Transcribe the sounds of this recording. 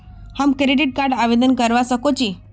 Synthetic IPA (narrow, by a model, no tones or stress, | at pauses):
hamkɾeɖiʈ̚kaɾɖaʋed̪ənkəɾʋasəkot͡ɕi